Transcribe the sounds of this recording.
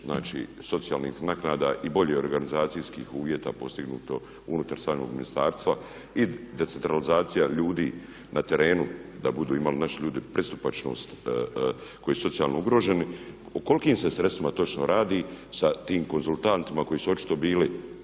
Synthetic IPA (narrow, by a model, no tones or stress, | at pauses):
zna̰ːt͡ʃḭːso̞t̪sija̰ːlniːxnaknaːd̪aʔibo̞ʎeo̞ɾɡanizaːt̪sijskiːxuːʋje̞t̪a̰po̞st̪iɡnṵːt̪o̞ | unut̪aɾsaːno̰ɡminist̪aːɾst̪ʋa | id̪e̞tse̞nt̪ɾalizaːt̪sijaʎuːd̪iː | nʔat̪e̞ɾe̞ːnud̪abud̪uːimalinaʃiʎuːd̪ipɾʔest̪u̥pat͡ʃno̞̰st̪ | ko̞jisu̥so̞t̪ijalno̞uɡɾo̞ːʒe̞ni | oko̞likiːmse̞sɾest̪ʋimat̪o̞t͡ʃno̞ɾaːd̪isat̪iːmko̞nzulˠt̪ant̪imako̞jiːsuo̞t͡ʃi̥t̪o̞biːli